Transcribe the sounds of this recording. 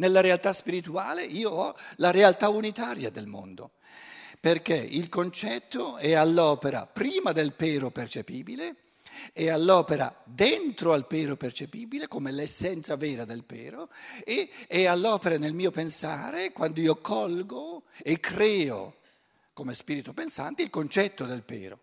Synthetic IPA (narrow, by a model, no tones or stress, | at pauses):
nelːaɾealt̪aspiɾit̪uaːleiːoɔlaɾealt̪aunit̪aːɾjad̪elmo̰nd̪o̰ | perk̟ḛilkont͡ʃɛt̪ːoɛalːɔːpeɾa̰pɾiːmad̪elpɛːɾopert͡ʃepiːbile | ɛalːɔːpeɾa̰d̪ent̪ɾoalpɛːɾopert͡ʃepiːbilekomelesːɛnt̪savɛːɾad̪elpɛ̰ːɾoeɛalːɔːpeɾanelmiːopensa̰ːɾekwand̪oiːokʰɔlɡoekːɾɛːo̰ | komespiːɾit̪opensant̪eilkont͡ʃɛt̪ːod̪elpɛ̰ːɾo̰